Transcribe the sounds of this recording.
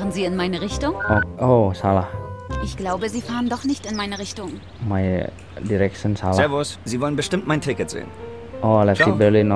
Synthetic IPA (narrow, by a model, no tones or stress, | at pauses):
ʁənziːɪnmaɪnəʁɪçtʊŋʔoʔosalaʔɪçɡ̥laʊbəziːfaːʁəndɔχnɪçtɪnmaɪnəʁɪçtʊŋ | maɪ | diɾɛkʃənsalɛvʊsziːvɔlənbəʃtɪmtmaɪntʰɪkətz̥ḛːən | ʔolɛtsibɛlin